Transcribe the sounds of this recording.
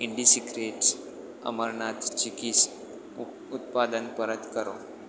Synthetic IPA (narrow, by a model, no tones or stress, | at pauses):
iɳɖisikɾeʈs | ə̰məɾɳat̪t͡ɕikit͡s | ut̪̚pad̪ənpəɾət̪kəɾo̰